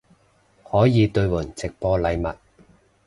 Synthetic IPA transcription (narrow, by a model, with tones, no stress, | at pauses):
hɔː˨˥jiː˨˧t̪ɵ˧ɥwʊ˨˩nt͡sɪ˨k̚pɔː˧lɐ˨˧jmɐ̰˨t̚